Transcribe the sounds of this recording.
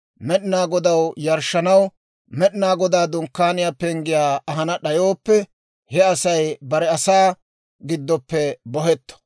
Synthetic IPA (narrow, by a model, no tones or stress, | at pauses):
mɛɗnaːɡɔd̪ɐwjɐɾʃːɐnɐw | mɛɗɪnaːɡɔd̪aːd̪ʊŋkːaːnɪjapɛŋɡɪjaːɐɦɐnɐɗɐjoːpːɛ | hɛɐsɐjbɐɾɛɐsaː | ɡɪd̪ːɔpːɛbɔhɛt̪ːɔ̥